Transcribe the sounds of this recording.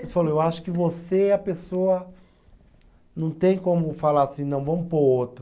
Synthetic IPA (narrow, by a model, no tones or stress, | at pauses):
esaloewaʃʊ̥kɪvoseɐpesoɐ | nɐ̃w̃t̪ẽj̃kõmʊfalaɾasĩnɐ̃w̃vɐ̃mʊpoot̪ɾʊ